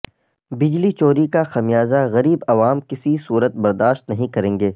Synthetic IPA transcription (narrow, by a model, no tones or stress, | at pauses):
bɪd͡ʒlit͡ʃoːɾikaxɐmijaːzaɣɐɾiːbɐʋaːmkɪsisuːɾət̪̚bɐɾd̪aːʃt̪nɐɦĩkɐɾẽːŋɡeː